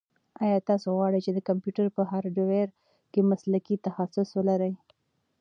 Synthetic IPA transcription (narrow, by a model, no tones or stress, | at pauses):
ɑjɑt̪ɑsoɣwɑɽəjt͡ʃed̪əkampjuʈaɾpəɦɑɾɖoweɾ | kemaslakit̪axasʊswəlaɾaj